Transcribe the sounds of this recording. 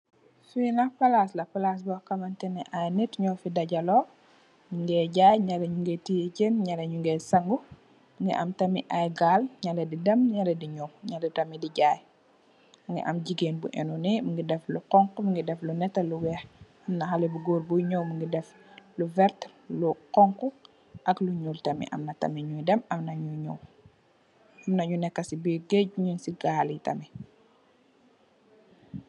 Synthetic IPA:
finɐpɐlaːslɐpɐlas̬bɔkɐmɐntɛnɛʔajnɛtɲɔfidɐɟɐlɔː | mŋɡɛɟaːjɲɐlɐɲuŋɡɛtijcenɲɐlɐɲuŋɡɛsɐŋɡu | muŋɡḭʔɐmtɐmiʔajɡaːlɲɐlɐdidɐmɲɐlɐdiɲɔwɲalɛtɐmidiɟaːj | mŋɡḭʔɐ̰mɟiɡeːnbṵʔɛ̰nunɛmiŋɡidɛfluqɔŋkumuŋɡidɛflunɛtːɐluwɛx | ɐmnɐxɐlɛbuɡɔːrbuɲɔwmuŋɡidɛf | luvɛɾtluqɔŋku | ʔɐkluɲultɐmḭʔɐ̰mnɐtɐ̰miɲujdɛmɐmnɐɲuɲɔw | ɐmnɐɲunɛkːɐsibiɡɛuɲunsiɡaːlitɐ̰mi

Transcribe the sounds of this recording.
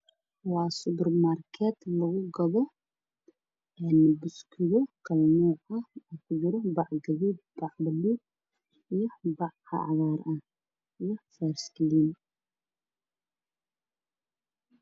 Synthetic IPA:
wɑːsʊbɛrmaːrkʰɛd̪lɐɣʊɡɐβɔ | ɛnbʊskʰɪðɔkʰɐlmuːqɐɔkʰʊd͡ʒʊɾɔbɑʕɡɐβid̪bɑʕbɐluːd̚ | ijɔbɑʕɑ̰ʕðaːɾɐh | ijɔfɛrskʰliːn

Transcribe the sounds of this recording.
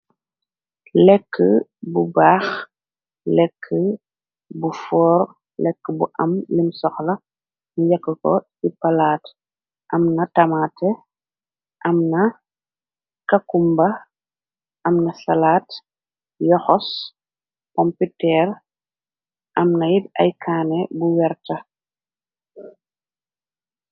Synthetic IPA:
lɛkːəbubaːx | lɛkʰːə | bufɔːɾ | lɛkːəbṵʔɐ̰mlimsɔxlɐ | nijɐkːəkɔ̰ | ipɐlaːt | ʔɐmnɐtɐmaːtɛ | ʔɐmnɐ | kɐkumbɐ | ʔɐmnɐsɐlaːt | jɔxɔs | kɔmpitɛːr | ʔɐmnɐjidɐ̰jkʰaːnɛbuwɛrtɐ

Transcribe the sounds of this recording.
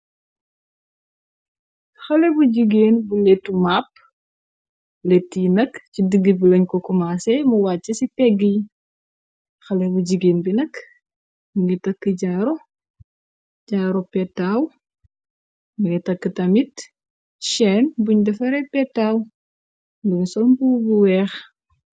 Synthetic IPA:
xɐlɛbuɟiɡeːnbulɛtːumap̚ː | lɛtːinɐkcidɨɡːibulɐɲkɔkumasɛmuwaːt͡ʃːɐsipɛɡːij | xɐlɛbuɟiɡeːnbinɐk | muŋɡɛtɐkːəɟaɾɔ | ɟaɾɔpɛtːaw | muŋɡɛtɐkːətɐmit | ʃɛːnbuɲdɐfɐɾɛpɛtːaːw | duɲsɔlmbubuwɛːx

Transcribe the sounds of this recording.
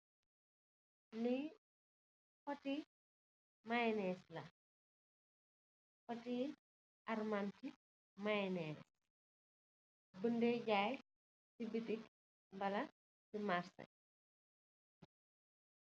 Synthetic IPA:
ni | kɔti | majɛnɛːslɐ | kɔti | ʔɐrmanti | manɛːs | bəndeːɟaːj | sibitik | mbɐlɐ | simaɾsɐ̰

